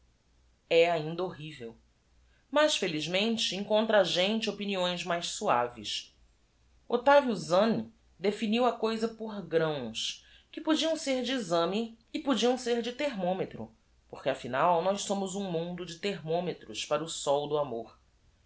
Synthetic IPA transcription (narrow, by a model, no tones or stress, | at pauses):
ɛaĩnd̪ɐoɦivew | maʃfelizmẽnt͡ʃɪẽŋkõnt̪ɾɐaːʒẽnt͡ʃɪopiniõj̃zmajʃsua̰vɪ̰s | ot̪avjuzɐ̃n | d̪efiniwɐkojzɐpoɾɡɾɐ̃w̃s | kɪpod͡ʒiɐ̃w̃seɾd͡ʒɪːzɐ̃mɪː | pod͡ʒiɐ̃w̃seɾd͡ʒɪt̪eɦmõmet̪ɾʊ̰ | poχkɪafinawnɔjʃsõmʊzũmũnd̪ʊd͡ʒɪt̪eɦmõmet̪ɾʊʃpaɾɐʊsɔwd̪ʊamoɾ